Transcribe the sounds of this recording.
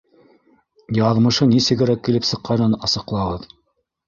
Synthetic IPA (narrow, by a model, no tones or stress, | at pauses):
jɑðmɤ̆ʃɤnisɘ̆ɡɘ̆ɾækːilɘpsɤ̆qːɑnɤnɑsɤ̆qlˠɑʁɤð